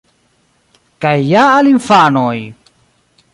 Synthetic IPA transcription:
kajːaːlimfanoj

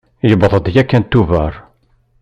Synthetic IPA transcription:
jəbðˤəd̪jækːænt̪ːuvəɾˤ

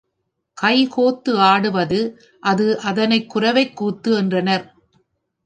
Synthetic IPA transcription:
kɐɪkoːt̪ːɯaːɽɯʋɐðɯ | ʔɐðɯʔɐðɐnɐɪkːʊrɐʋɐɪkːuːt̪ːɯɛndrɐnɐɾ

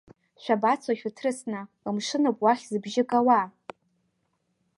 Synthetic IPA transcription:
ʃʷᶣabat͡sʰwaʃᶣatʰrɨsna | əmʂɨnapʼwaχʲzɨbʒɪkʼawa

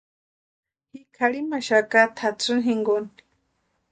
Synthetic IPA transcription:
hikʰaɺimaʃakat̪ʰat͡sʰunɦiŋɡoni̥

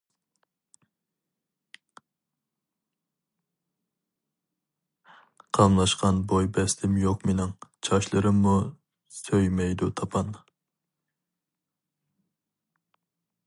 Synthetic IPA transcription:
qʰɑmlˠɑʃqɑnbojbɛst̪ʰɪmjoqmenɪŋt͡ʃʰɑʃlˠɨɾɨmːu | søjmɛjd̪ut̪ʰɑpʰɑn

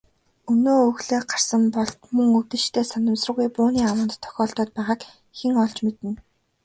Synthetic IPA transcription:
ɵnoːɵɣɮeːɢar̥sə̆mpɔɮt̪mɵŋɵt̪ɘ̆ʃt̪ʰeːsanə̆msrə̆ɣujpuːniːawə̆nt̪ʰːɔ̥xʲɔːɬt̪ɔːt̪̚pæːʁaːk | xeŋɔɮt͡ɕmet̪ɘ̆n

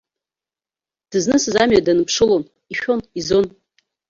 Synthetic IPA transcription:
d̥ɨznɨsɨzamɥadanɨpʰʂɨlon | iʃᶣo̞nizon

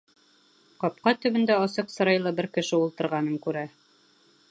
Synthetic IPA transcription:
qɑp̚qɑt̪ɵ̆βɘ̆nd̪æɑsɤqsɤ̆ɾɑjlˠɑbɘɾkɘ̆ʃɘulˠt̪ɤ̆ɾʁɑnɤŋkʉɾæ

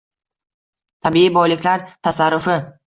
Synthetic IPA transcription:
t̪ʰabɪibɒjlɪkʲʰlaɾt̪ʰasaɾːʊfɪ

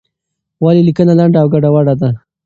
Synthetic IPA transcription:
wɑlilikənalaɳɖaːwɡaɖawaɽad̪a

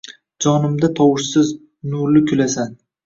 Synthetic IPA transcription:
d͡ʒɒnɪmd̪at̪ʰɒwɪʃsɪz | nʊɾlɪkʲʰʊlasan

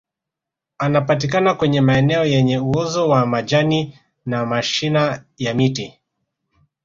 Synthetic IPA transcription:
anapatikanakwɛɲɛmaɛnɛɔjɛɲɛuɔzɔwamad͡ʒani | namaʃina | jamiti

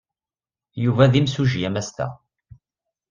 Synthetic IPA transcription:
juvæðimsuʒjæmæst̪æ̰

